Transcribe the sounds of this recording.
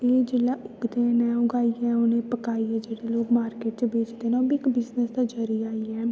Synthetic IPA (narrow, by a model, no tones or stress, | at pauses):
eːd͡ʒɪlaːʊɡd̪eːnɛ̃ːʊɡaːiːɛːʊnẽːpəkaːiːɛːd͡ʒeːɽeːloːkmaːɾkeːʈt͡ʃbeːt͡ʃd̪eːnɛoːbiɪkbɪznəsd̪aːd͡ʒəɾiːaːiːɛː